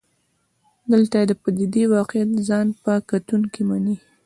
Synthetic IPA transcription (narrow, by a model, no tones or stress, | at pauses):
d̪əlt̪ajed̪əpad̪id̪iwɑqjat̪zɑnpəkat̪uŋkimani